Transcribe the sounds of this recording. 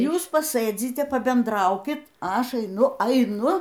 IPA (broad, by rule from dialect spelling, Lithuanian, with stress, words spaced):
ˈjuːs pɐˈsɘd͡zʲɪtʲɛ pɐbʲɛnˈdrɐʊkʲɪt ɐ ˈɐʃ ɐɪˈnʊ ɐɪˈnʊ